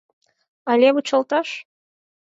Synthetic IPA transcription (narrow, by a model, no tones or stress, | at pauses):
ɑlʲeβut͡ɕɑlˠt̪ɑʃ